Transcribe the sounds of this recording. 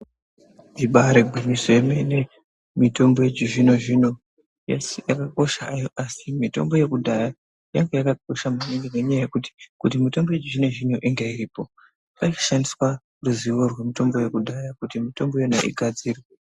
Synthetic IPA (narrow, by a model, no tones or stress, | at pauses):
iɓaɾeɡʱinisoemene | mito̞mbo̞jed͡ʒiʐino̞ʐino̞ | jasjakako̞ʃajoʔasimito̞̰mbo̞je̞kudʱaja | jaŋɡejakako̞ʃamaniŋɡeneɲajaje̞kuti̥kut̬imito̞mbojed͡ʒiʐino̞ʐino̞ʔiŋɡeiriːpo̞ | paikḁʃandiswa | ruziʋorwe̞mito̞mbo̞je̞kuɗʱajakutimito̞mbo̞jona̰ʔḭɡʱad͡ziːre